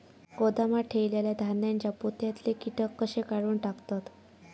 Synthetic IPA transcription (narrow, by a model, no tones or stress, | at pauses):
kod̪amaʈʰeʋleljad̪ʱanjãɲt͡ɕaput̪jat̪lekiʈ̪əkːəɕekaɽuːnʈakt̪at̪